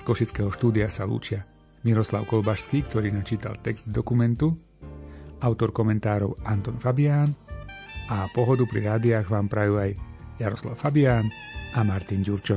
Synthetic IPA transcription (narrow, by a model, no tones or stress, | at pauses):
skɔʃit͡skɛːɦɔʃt̪uːd̪iasalṵːt͡ʃɪa | miɾɔsla̰ʊkɔlbaʃskiːkt̪ɔɾiːnat͡ʃiːt̪a̰lt̪ɛkz̥d̪d̪ɔkumɛnt̪u | aʊt̪ɔɾkɔmɛnt̪aːɾɔʊant̪ɔnfabiaːn | ʔapɔɦɔd̪upɾḭɾaːd̪iaɣʋaːmpɾajuaj | jaɾɔsla̰ʊfabiaːn | amaɾt̪inɟuɾt͡ʃɔ